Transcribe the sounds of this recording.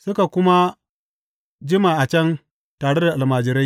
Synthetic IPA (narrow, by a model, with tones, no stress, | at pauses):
sʊ˦ka˨kʷʊ˦ma˦ | d͡ʒɪ˦maː˨ʔa˨t͡ʃɛ˦n | taː˨ɽe˦da˨ʔa˨lmaː˨d͡ʒɪ˨ɾa˦j